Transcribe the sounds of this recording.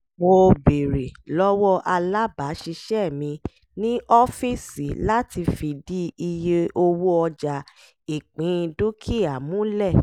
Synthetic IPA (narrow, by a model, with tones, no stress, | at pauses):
mo˧be˨ɾe˨lɔ˦wɔ˦ʔa˧la˦ba˨˦ʃi˧ʃɛ˦˨mĩ˧ | nĩ˦ʔɔ˦fi˦˨si˨la˦ti˧fi˧di˦i˧je˧ʔo˧wo˦ɔ˧d͡ʒa˨ | i˨k͡pĩ˨˦˧du˦kʰi˦˨a˨mũ˨˦lɛ˦˨